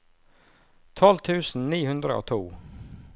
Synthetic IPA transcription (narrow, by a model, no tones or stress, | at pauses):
t̪ʰɔlt̪ʰʉːsn̩niːhʉnd̪ɾəʔo̰ːt̪ʰuː